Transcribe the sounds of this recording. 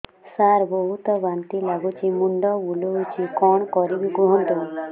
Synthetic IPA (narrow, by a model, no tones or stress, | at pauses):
saɾbɔɦut̪ɔbant̪ilaɡut͡ʃimuɳɖɔbuluut͡ʃikɔɳ̃kɔɾibikuɦɔ̃nt̪u